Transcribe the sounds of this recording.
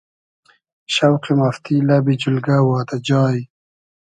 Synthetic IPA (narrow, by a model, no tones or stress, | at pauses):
ʃawqimaft̪ilabid͡ʑulɡawɑːt̪ad͡ʑɑːji